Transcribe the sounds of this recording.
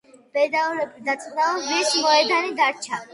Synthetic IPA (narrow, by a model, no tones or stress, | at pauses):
b̥ɛd̪ad̪at̪sʼnaɔbismɔɛd̪aniɡ̪aɾt͡ʃʰa